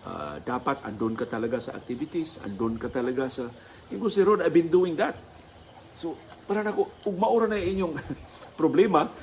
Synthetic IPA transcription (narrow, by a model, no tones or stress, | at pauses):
ʔa̰d̪aːpat̪a̰nd̪onkat̪alaɡasa̰a̰k̚t̪ibit̪isa̰nd̪onkat̪alaɡasa | ɪŋɡusɪɾod̪abɪnd̪uwɪŋd̪at̪̚ | sopaɾanakoʊɡ̚maʔʊɾanajaiɲjʊŋpɾoblɛːma